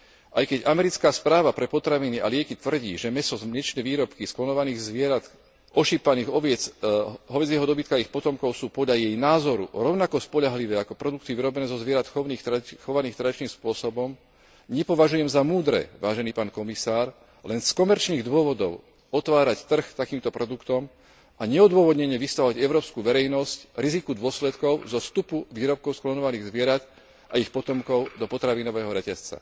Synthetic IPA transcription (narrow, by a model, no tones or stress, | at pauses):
ʔajkɛɟamɛɾit͡skaːspɾaːʋapɾɛpɔt̪ɾaʋiniʔa̰lɪɛkit̪ʋr̩ɟḭːʒɛmɛsɔzmɲɛt͡ʃnɛʋiːɾɔpkisklɔnɔʋaniːɣzʋɪɛɾat̪ | ʔɔʃipaniːɣɔʋɛt͡sɦɔʋɛd͡zjɛɦɔd̪ɔbit̪̚kaaixpɔt̪ɔmkɔʊsuːpɔd̪ʎajɛjnaːzɔɾṵɾɔʊnakɔspɔʎaɦliʋɛːakɔpɾɔd̪ukt̪iʋiɾɔbɛnɛːzɔzʋɪɛɾat̪xɔniːxt̪xɔʋaniːxt̪ɾad̪it͡ʃniːmspʊɔsɔbɔm | ɲɛpɔʋaʒujɛmzamuːd̪ɾɛ̰ʋaːʒɛniːpaːnkɔmisaːɾ | lɛnskɔmɛɾt͡ʃniːɣd̪ʊɔʋɔd̪ɔʊ | ɔt̪ʋaːɾact̪r̩xt̪akiːmt̪ɔpɾɔd̪ukt̪ɔm | aɲɛɔd̪ʊɔʋɔd̪ɲɛɲɛʋist̪aɦɔaɟɛʊɾɔːpskuːʋɛɾɛjnɔscɾizikud̪ʊɔslɛt̪kɔʊzɔst̪upuʋiːɾɔp̚kɔʊsklɔɲɔʋaniːɣzʋɪɛɾat̪ | ʔaixpɔt̪ɔmkɔʊd̪ɔpɔt̪ɾaʋinɔʋɛːɦɔɾɛcast͡sa̰